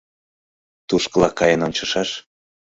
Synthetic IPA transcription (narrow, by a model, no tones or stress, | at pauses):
t̪uʃkə̆lɑkɑjənonʲt͡ɕə̆ʃɑʃ